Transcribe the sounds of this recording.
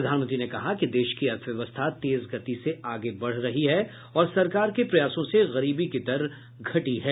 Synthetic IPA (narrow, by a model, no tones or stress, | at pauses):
ɾɐd̪ʱaːnmə̃nt̪ɾinekɐɦakid̪eːʃkiɐɾt̪ʰʋjɐʋəst̪ʰat̪eːzɡʱɐt̪iseaːɡebɐɽ̤ɾɐɦiɦɛ | ɔːɾsɐɾkaːɾkepɾɐjaːsõseɣɐɾiːbikid̪ɐɾ | ɡʱɐʈiɦɛː